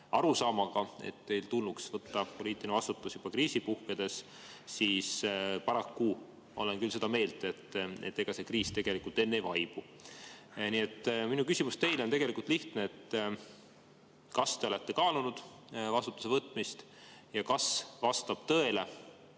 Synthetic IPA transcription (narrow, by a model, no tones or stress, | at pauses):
ɑɾusɑːmɑɡ̥ɑḛt̪ːe̞jlt̪ulːuksvɤt̪ːɑpo̞liːt̪ːˑiinevɑst̪ut̪ːˑusjub̥ɑkriːsipuhked̪̥e̞s | siːspɑɾɑkːu | o̰lenkylse̞d̪ɑme̞ːld̪e̞t̪ːˑe̞̰t̪ːe̞ɡ̥ɑse̞kriːst̪e̞ɡ̥e̞likult̪ːˑe̞nːevɑjb̥u | niːe̞t̪ːˑminukysʲimust̪e̞jleo̞nt̪eɡe̞likult̪liht̪neet̪ː | kɑst̪e̞o̞le̞t̪ːe̞kɑːlunud̪̥ | vɑst̪u̥t̪ːˑuse̞vɤt̪ːˑmist̪ | jɑkɑsvɑst̪ɑb̥t̪ɤ̞ele̞